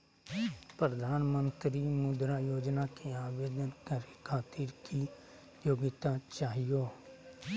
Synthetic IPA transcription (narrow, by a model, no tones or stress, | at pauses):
pɾəd̪ʱaːnmə̃nt̪ɾimʊd̪ɾajoːd͡ʒnakeaːʋeːd̪ənkəɾekʰaːt̪ɪɾki | joːɡɪt̪at͡ʃaːɦijoː